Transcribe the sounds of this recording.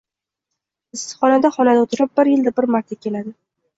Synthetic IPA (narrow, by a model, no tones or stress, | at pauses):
ɪsɨ̥χɒnad̪aχɒnad̪aot̪ʰɪɾɪp̚bɪɾjɪld̪abɪɾmaɾt̪ʰakʲe̞lad̪ɪ